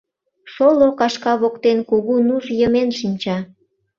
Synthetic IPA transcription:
ʃolokɑʃkɑβokt̪enkuɣunuʒjəmenʃinʲt͡ɕɑ

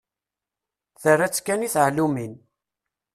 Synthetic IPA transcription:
θərːæt͡sːkːæniθʕlumin

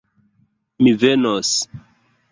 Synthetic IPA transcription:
mivenos

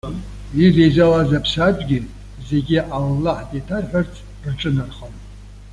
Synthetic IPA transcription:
irejzalazapʰsad͡ʒʷʼɡʲɪ | ze̞ɡʲiʔalːaħdʼetʰarħʷᶣart͡sʰ | rʈ͡ʂʼɨnarχan

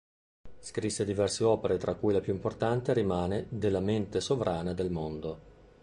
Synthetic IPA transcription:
skɾisːed̪ivɛrseɔːpeɾet̪ɾʔakːujlapjuimport̪ant̪eɾimaːned̪elːament̪esovɾʔaːnad̪elmond̪o

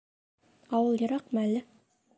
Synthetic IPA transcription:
ɑwɤlˠjɤ̆ɾɑqmælːɘ

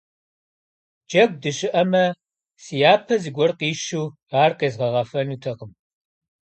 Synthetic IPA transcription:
d͡ʒɐɡ̚ʷdɨɕʼɪʔɐmɐ | sijaːpʰɐzɨɡʷɔrqiːʃuː | aːrqeːzʁɐʁɐfɐnuːtʰɐqəm

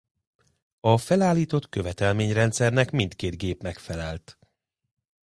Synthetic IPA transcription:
ɒfɛlaːlːiːt̪o̞t̪kø̞vɛt̪ɛlmeːɲrɛnt̪sɛrnɛkmint̪keːd̪ɡeːpmɛkfɛlɛlt̪

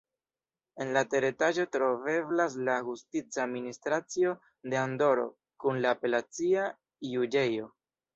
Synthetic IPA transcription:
e̞nlate̞ɾetaʒo̞tɾo̞ve̞blas̬laɡustit͡saministɾat͡sio̞ | de̞ando̞ɾo̞̰ | kunlaːpe̞lat͡sia | jud͡ʒe̞jo̞

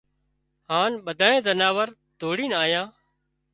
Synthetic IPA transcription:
ɦaːnɓəd̪ʱaːẽːzənaːʋəɾ | d̪ʱoːɽiːnaːjãː

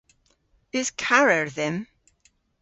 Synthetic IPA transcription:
ɪz̥kʰaɹəɹðɛ̃m

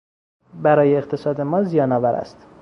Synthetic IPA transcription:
bæɾɒːjeːqt̪ʰe̞sɒːd̪e̞mɒːzijɒːnɒːvæɾʔæ̰st̪

